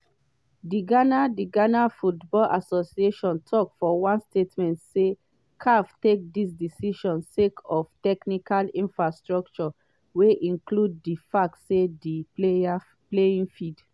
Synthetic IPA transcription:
diɡanadiɡanafutbɔlʔasosieʃɔ̃ntʰɔkfɔwãnstetmɛ̃ntse | kʰaftek̚dis̬disiʃɔ̃nsekʰɔftɛknikalĩnfɹastɹɔk̚t͡ʃɔ | weʔĩŋklud̚difak̚tsedipea | pleĩŋfid

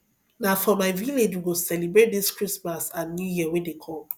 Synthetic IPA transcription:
nafɔmaɪviled͡ʒwiɡosɛlibɹet̚diskɹismasãnjujiəwedekʰɔ̃m

